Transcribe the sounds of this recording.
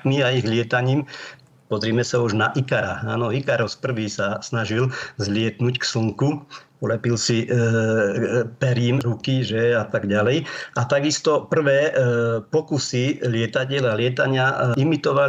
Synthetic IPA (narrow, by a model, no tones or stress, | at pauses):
miaiɣlɪɛt̪aɲiːm | pɔzɾiːmɛsauʒnaʔikaɾa̰a̰ːnɔikaɾɔspr̩ʋiːsasnaʒilzlɪɛt̪nucksl̩ŋkupɔlɛpilsi | pɛɾiːmɾukiʒɛat̪aɡɟalɛjʔat̪aɡist̪ɔpr̩ʋɛːpɔkusilɪɛt̪aɟɛlalɪɛt̪aɲɪaimit̪ɔʋa